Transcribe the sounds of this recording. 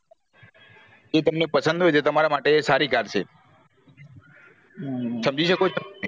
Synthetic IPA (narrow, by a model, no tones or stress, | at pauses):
et̪əmnepəsə̃nd̪ɦojt͡ʃet̪əmaɾamaʈeːsaɾikaɾt͡ʃʰe | səmd͡ʒiʃəkot͡ʃʰo